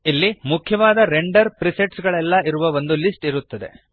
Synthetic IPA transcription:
ilːimukʰjɐʋaːd̪ɐɾeɳɖɐɾpɾiseʈsɡɐɭɛlːɐiɾuʋɐʋo̞nd̪ulisʈiɾut̪ːɐd̪e̞̰

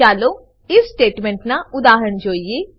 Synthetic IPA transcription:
aːlo | ɪssʈeːʈmẽɳʈnaʊd̪aːɦɾəɳd͡ʒoːie

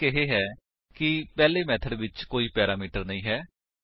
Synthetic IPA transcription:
ɪɦeːɦɛː | kɪpɛːleːmɛːt̪ʰəɖʋɪt͡ʃkoːiːpɛːɾaːmiːʈəɾnəĩːɦɛː

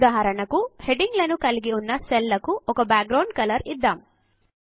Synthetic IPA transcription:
d̪aːɦɐɾɐɳɐkuheɖiŋɡlɐnukɐlɡiunːɐselːɐkuɔkɐbaːk̚ɡɾɐwɳɖ̚kɐlɐɾid̪ːaːm

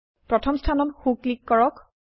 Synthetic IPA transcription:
pɹɔtʰɔmstʰanɔnxuklikːɔɹɔk

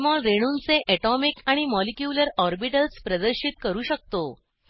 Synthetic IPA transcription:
mɔɭɾeɽ̃uːnt͡seʔɛʈɔmikaɽ̃imɔlikjuːləɾɔɾbiʈəlspɾəd̪əɾɕit̪kəɾuːɕək̚t̪o

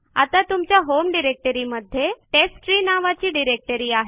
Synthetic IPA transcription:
a̰t̪at̪umt͡ɕjaɦomɖiɾek̚ʈəɾiməd̪ʱːjeʈesʈɾiːnaʋat͡ɕiːɖiɾek̚ʈəɾiːaɦe

